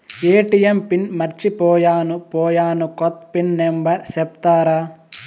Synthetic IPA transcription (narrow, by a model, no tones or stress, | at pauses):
eːʈijempinmɐɾt͡ʃipɔːjaːnupɔːjaːnukɔt̪pinːembɐɾsep̚t̪aːɾaː